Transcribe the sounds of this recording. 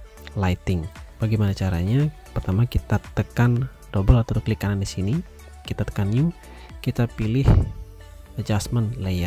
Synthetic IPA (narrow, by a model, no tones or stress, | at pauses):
lajt̪ɪŋb̥aɡimanat͡ʃaɾa̰ɲa | pərt̪amakit̪at̪əkan | dobəlat̪aɾəklikanandisini | kit̪at̪ə̥kanju | kit̪apilɪh | d͡ʒasmənlejar